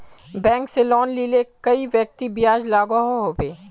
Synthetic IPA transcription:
bɛ̃ːŋkselɔːnlilekɐiʋjək̚t̪ibijaːd͡ʒlaːɡaɦoɦoːbeː

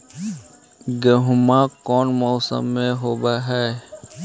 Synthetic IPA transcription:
ɡəɦʊmaːkɔːnmɔːsə̰mːẽɦoːbaːɦɛː

